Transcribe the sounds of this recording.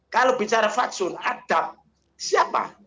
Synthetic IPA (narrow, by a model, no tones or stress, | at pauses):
kalobit͡ʃaɾafasʊnad̥ap̚ | siapa̰